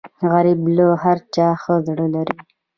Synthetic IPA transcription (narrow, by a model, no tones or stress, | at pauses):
ɣaɾibloɦaɾt͡ʃɑːxəzɽəlaɾi